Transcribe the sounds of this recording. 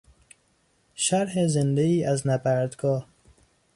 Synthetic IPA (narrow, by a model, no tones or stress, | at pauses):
ʃæɾhezend̪eiːʔæznæbæɾd̪ɡɒː